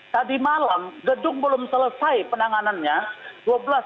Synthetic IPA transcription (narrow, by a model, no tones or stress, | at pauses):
t̪adimalamɡədʊŋbəlʊmsələsajpənaŋananɲaduabəlas